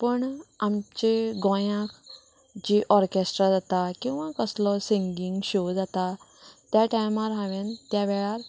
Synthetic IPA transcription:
pəɳamt͡ɕeɡɔ̃jãk | d͡ʑiʔɔɾkesʈɾad͡zat̪akĩw̃ʋãkəslɔsiŋɡiŋɡɕod͡zat̪a | t̪jaʈajmaɾɦãʋent̪jaʋɛɭaɾ

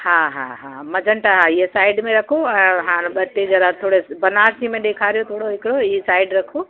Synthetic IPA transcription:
hãːɦã̰ːɦãːmɐd͡ʒʱəɳʈaɦaiɦesaːɪɖmẽɾɐkʰoɛ̃ːɦãːnbɐt̪ːed͡ʒɐɾat̪ʰoːɽesbɐnaːɾsimẽɗeːkʰaːɾijot̪ʰoːɽoɦɪkɪɽoisaːɪɖɾɐkʰo

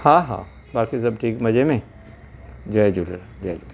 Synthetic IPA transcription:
hãːɦã̰ː | baːkis̬ɐbʈʰiːkmɐd͡ʒemẽ | d͡ʒɐjd͡ʒuld͡ʒɐjd͡ʒu

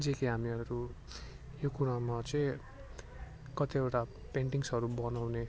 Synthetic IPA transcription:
d͡zekiɦamiʌɾu | jokuɾamat͡sʌĩ | kʌt̪iewʈa | peɳʈiŋsʌɾubʌnawne

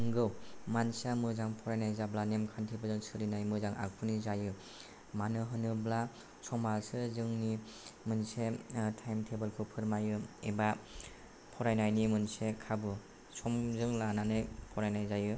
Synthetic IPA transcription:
ɯŋɡɯwmansamɯzaŋpʰɔɾajnajzablanemkʰantʰibɯzɯlsɯɾinajmɯzaŋa̰k̚pʰɯnizajɯ | manɯɦɯnɯbla | sɔmasɯzɯŋnimɯnsetʰajmtʰebɯlkʰɯpʰɯɾmajɯeba | pʰɔɾajnajnimɯnsekʰabɯ | sɔmzɯŋlananɯjpʰɔɾajnajzajɯ

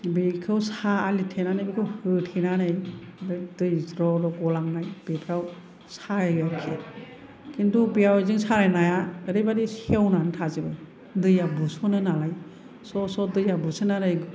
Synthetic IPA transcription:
bekʰɯwsaːlitʰenanɯjbikʰɯwhɯtʰinanajbɯdɯjzɾɔɾɔɡɔlaŋnajb̥epʰɾaw | saɾajakʰe | kintʰubijawzɯŋsaɾajnajaəɾɯbaɾihawnanɯtʰazibaj | dɯjabusɔnɯnalaj | sɔsɔdɯjabusɯnaɾajɡ

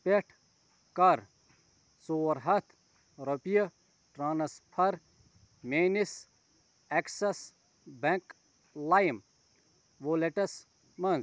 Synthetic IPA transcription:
peʈʰ | kɐɾ | soːʋɐɾɦɐt̪ʰ | ɾɐpijɐ | ʈɾaːnɐspʰɐɾ | meːnis | eksɐs | bẽk | lajm | ʋoːleʈɐs | mɐnz

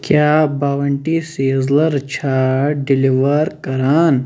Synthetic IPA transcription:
kjaːbaːʋɐɳʈiseːzlɐɾt͡ʃʰaːɖiliʋɐɾkɐɾaːn

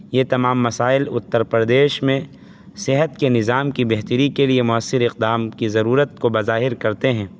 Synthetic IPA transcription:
jet̪ɐmaːmːɐsaːɪlʊt̪ːəɾpəɾd̪eːʃmẽ | sɪɦət̪kenɪzaːmkibɛɦt̪əɾikeliemʊəsːɪɾɪq̚d̪aːmkizɐɾuːɾət̪̚kobɐzaːɦɪɾkɐɾt̪eɦɛ̃ː

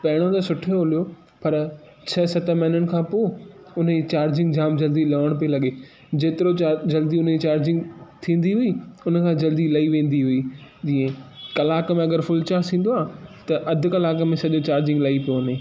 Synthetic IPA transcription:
pɐɦɪɽ̃ot̪ɐsʊʈʰoːlijo | pɐɾ | t͡ɕʰɐsɐt̪əmɛːnəɽɪ̆kʰãːpoː | ʊnd͡ʑit͡ɕaːɾd͡ʑɪ̃ŋɡd͡ʑaːmd͡ʑɐld̪ilɐʋəɽ̃pielɐɠe | d͡ʑeːt̪ɪɾoad͡ʑɐld̪iʊnit͡ɕaːɾd͡ʑɪ̃ŋɡt̪ʰĩːn̆d̪iɦʊiʊnə̆kʰãːd͡ʑɐld̪ilɐiʋẽːn̆d̪iɦʊid͡ʑĩːẽkɐlaːkmẽɐɠəɾfʊlt͡ɕasĩːn̆d̪oaːt̪ɐʔɐd̪ʱʊ̆kɐlaːkmẽsɐʄot͡ɕaːɾd͡ʑɪ̃ŋɡlɐipijoɐneː

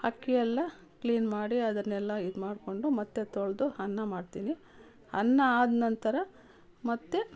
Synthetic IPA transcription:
hɐkːijɛlːɐ | kliːnmaːɽiɐd̪ɐnɛlːɐid̪maːɖko̞ɳɖumɐt̪ːet̪oɭd̪uhɐnːɐmaːɖt̪iːni | hɐnːɐaːd̪nɐnt̪ɐɾɐ | mɐt̪ːe

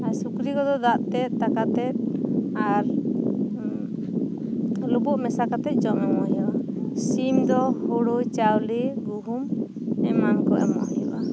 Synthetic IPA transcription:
asukɾikɔd̪ɔd̪aʔt̪ɛt̪̚t̪akat̪ɛt̪̚ | aɾ | lubɔʔmɛsakat̪ɛt̪̚ˀd͡ʒɔmɔmɔjɔʔa | simd̪ɔhuɽujt͡ʃawliɡuɦum | ɛmankɔʔɛ̰mɔ̰ʔjɔʔa

